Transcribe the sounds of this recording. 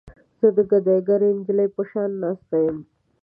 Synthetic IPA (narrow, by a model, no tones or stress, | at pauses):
z̥əd̪əɡad̪aɡaɾend͡ʒləjpəʃɑnːɑːst̪ajəm